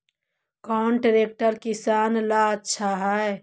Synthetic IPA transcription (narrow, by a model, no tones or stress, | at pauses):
kɔːnʈəɾeːk̚ʈəɾkɪsaːnlaətːʃʰaɦɛ